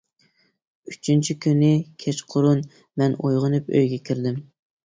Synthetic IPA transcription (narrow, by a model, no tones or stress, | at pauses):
yt͡ʃʰynt͡ʃʰikʲynɪkʲʰɛt͡ʃqʰʊɾun | mɛnojʁənɨpø̰jɡʲɛkʲʰiɾd̪ɪm